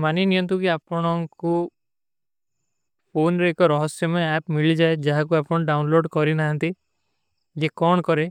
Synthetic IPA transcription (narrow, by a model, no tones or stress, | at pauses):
maninijɔnt̪ukiapɔɽ̃ɔŋku | pʰonɾeekɔɾɔɦɔsjɔmaapmiɭid͡ʒaed͡ʒaɦakuapɔɽ̃ɔɖawnloɖkɔɾinaɦant̪i | d͡ʒekɔɳɔkɔɾe